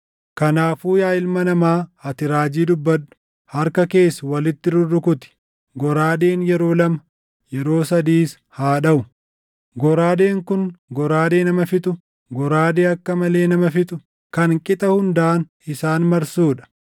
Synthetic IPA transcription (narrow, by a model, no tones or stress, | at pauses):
kɐnaːfuːjaːɪlmɐnɐmaːɐt̪ɪɾaːd͡ʒiːd̪ʊbːɐᶑʊ̥ | hɐɾkɐke̞ːsːɐwɐlɪt̪ːɪɾʊrʊkʊt̪ɪ̥ | ɡɔɾaːd̪e̞ːnjɛɾo̞ːlɐmɐ | jɛɾo̞ːsɐd̪iːs | haːᶑɐʔʊ | ɡɔɾaːd̪e̞ːŋkʊnɡɔɾaːd̪e̞ːnɐmɐfɪt̪ʼʊ | ɡɔɾaːd̪e̞ːɐkːɐmɐle̞ːnɐmɐfɪt̪ʼʊ | kɐŋkʼɪt̪ʼɐhʊnd̪aːn | ɪsaːnmɐɾsuːᶑɐ̥